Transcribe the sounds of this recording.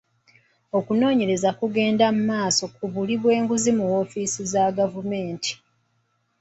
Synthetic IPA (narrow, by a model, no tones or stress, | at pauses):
o̞kuno̞ːɲe̞ɾe̞zakuɡe̞ːndamumaːso̞kuβuliβwe̞ːŋɡuzimuwo̞fiːsizaɡavume̞ːntʰi̥